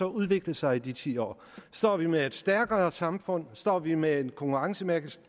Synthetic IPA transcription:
ɒ̽uð̞ˠʋe̝ɡ̥ləsɑ̈ɪid̥it͡sʰḭːɒ̰ː | sd̥ɒ̰ːʋimee̝d̥sd̥æɐɡ̥ɐsɑ̈mfɔ̽n̰sd̥ɒ̰ːʋimeenkʰɒ̽ŋkʰuʁɑ̈ŋsəmæɐɡ̥s

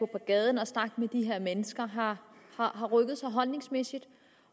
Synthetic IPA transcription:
opʰɒ̽ɡ̥ɛːð̞ˠn̩ɒ̽snɑ̈ɡ̥med̥iɦe̝ɐ̰menəsɡ̥ɐɦɑ̈hɑ̈ɦɑ̈ʁœɡ̥əð̞̩ˠsɑ̈ɪɦɒ̽lne̝ŋsmesid̥

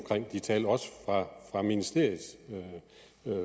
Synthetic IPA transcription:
mkʰʁeŋ̰d̥it͡sʰɛːlɒ̽sə̥fʁɑ̈fʁɑ̈minisd̥e̝ɐ̰ið̩ˠø

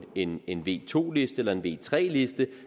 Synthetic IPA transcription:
e̝ne̝nʋe̝̰ːt͡sʰo̝̰ːle̝sd̥əelɐe̝nʋe̝̰ːt͡sʰʁɛ̰ːle̝sd̥ə

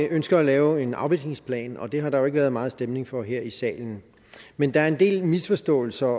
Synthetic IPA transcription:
ʔønsɡ̥ɐːlɛːʊe̝nɑ̈ʊb̥iɡ̥ne̝ŋspʰlɛ̰ːnɒ̽d̥e̝ɦɑ̈d̥ɑ̈joe̝ɡ̥əʋæːɐð̞̩ˠmɑ̈ːð̩ˠsd̥emne̝ŋfɒ̽ɦeɐ̰isɛ̰ːln̩ | mend̥ɑ̈æɐe̝nd̥e̝̰ːlmisfɒ̽sd̥ɔ̰̽ːl̩sɐ

